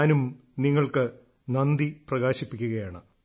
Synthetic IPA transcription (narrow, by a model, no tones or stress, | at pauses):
aːnum | niŋːɐɭkɨ | nɐnd̪iprɐɣaːɕipːikʲːuɣɐjaːɳɨ